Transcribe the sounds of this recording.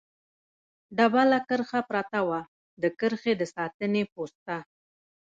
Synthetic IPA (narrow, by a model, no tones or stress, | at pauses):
ɖabalakəɾxapɾɑt̪awa | d̪əkəɾxed̪əsɑt̪ənepost̪a